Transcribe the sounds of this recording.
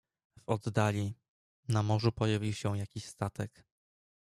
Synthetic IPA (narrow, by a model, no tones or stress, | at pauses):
vɔd̪ːalʲi | namɔʐupɔjavʲiwɕɛ̃jakʲiɕst̪at̪ɛk